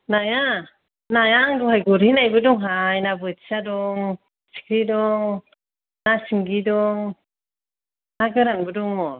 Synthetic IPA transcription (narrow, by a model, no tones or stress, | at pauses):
naja | najaŋduɦajɡuɾhinajbɯdɔŋɦajnabɯtsadɔŋ | si̥kʰɾidɔŋ | nasiŋɡidɔŋ | naɡɯɾanbɯdɔŋmɔ